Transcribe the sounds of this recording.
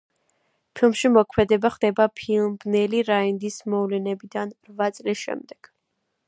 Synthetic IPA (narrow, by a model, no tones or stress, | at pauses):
pʰilˠmʃimɔkʰmɛd̪ɛbaχd̪ɛbapʰilˠbnɛliɾaind̪ismɔvlɛnɛbid̪anɾvat̪sʼlisʃɛ̰md̪ɛɡ̥